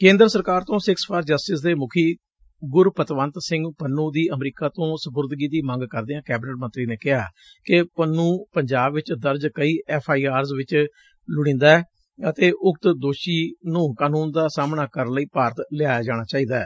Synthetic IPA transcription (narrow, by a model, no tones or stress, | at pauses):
kẽːnd̪əɾəsəɾkaːɾt̪õːsɪkspʰaɾd͡ʒəsʈɪsd̪eːmʊkʰiː | ɡʊɾpət̪ʋə̃nt̪sɪ̃ŋɡpənːuːd̪iːʔəmɾiːkaːt̪õːsəbʊɾd̪ɡiːd̪iːmə̃ŋɡkəɾd̪eːãːkɛːbɪnəʈmənt̪ɾiːneːkɪɦaː | kɪpənːũːpəɲd͡ʒaːbʋɪt͡ʃd̪əɾd͡ʒkəiːʔɛːpʰaːiːaːɾzʋɪt͡ʃ | lʊɽ̃ĩːnd̪aːɛː | ət̪eːʔʊk̚t̪d̪oːʃiːnũːkaːnuːnd̪aːsaːmnaːkəɾnləiːpaːɾt̪lɪaːjaːd͡ʒaːɽ̃aːt͡ʃaːiːd̪aɛ̰ː